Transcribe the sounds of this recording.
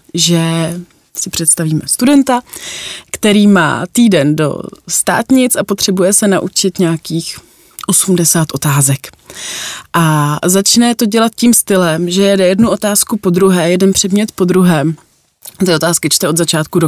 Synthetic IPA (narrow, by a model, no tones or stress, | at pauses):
ʒɛ | sɪpr̝̥ɛt̪st̪aviːmɛst̪udɛnt̪akt̪ɛɾiːma̰ːt̪iːdɛndo̞̰st̪a̰ːt̪ɲɪt͡sapot̪r̥ɛbujɛsɛnaʔut͡ʃɪt̪ɲɛakiːx | ʔo̞sumdɛsaːt̪ʔo̞t̪aːzɛk | ʔazat͡ʃnɛt̪o̞ɟɛlat̪̚ciːmst̪ɪlɛmʒɛjɛdɛjɛdnuʔo̞t̪aːskupo̞d̪ɾuɦɛːjɛdɛnpr̝̥ɛdmɲɛt̪po̞d̪ɾuɦɛːm | t̪ɪo̞t̪aːskɪt͡ʃt̪ɛo̞d̪zat͡ʃaːt̪̚kudo